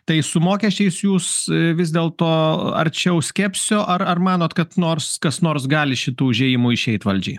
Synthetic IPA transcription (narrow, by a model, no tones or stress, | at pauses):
t̪ɐɪsʊmoːkʲɛsʲt͡ʃʲɛɪsjuːsʋʲɪzʲd̪ʲeːlˠt̪oːɐ̰ɾʲt͡ʃʲɛʊsʲkʲɛːpʲsʲoːʔɐrɐrmɑːnoːt̪kɐt̪noːrskɐsnoːrs̬ɡɑːlʲɪʃʲɪt̪uːʒʲeːjɪmuːɪʃʲɛɪt̪ʋɐlʲd͡ʒʲɛɪ